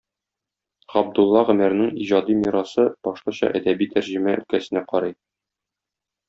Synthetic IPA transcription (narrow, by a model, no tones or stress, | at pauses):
ʁɒb̚d̪ulˠːɑʁɘ̆mæɾnɘŋiʑɑd̪imiɾɑsɤb̥ɒʃlˠɑɕɑ̰ʔæd̪æbit̪æɾʑɘ̆mæʔɵ̰̆lkæsɘ̆næqɒɾɑj